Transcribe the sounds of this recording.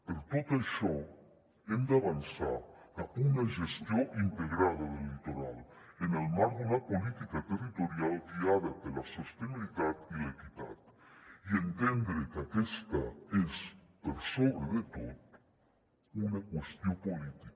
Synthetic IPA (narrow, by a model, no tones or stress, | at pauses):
peɾt̪ot̪eʃo | end̪eaβansa̰ɾaunaʒest̪joint̪eɣɾaðaðelit̪oɾa̰l | enelmaɾɡelapolit̪ikat̪erit̪oɾjaldiaðad̪elasost̪eniliðat̪ilekit̪a̰t̪ient̪end̪ɾekakest̪a̰espeɾsoβɾeðet̪oð | unakwest̪jopolit̪ik